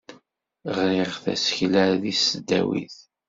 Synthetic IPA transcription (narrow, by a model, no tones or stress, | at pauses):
ʁɾɪʁθæ̰sçlæɾðisəd̪ːæ̰wḭθ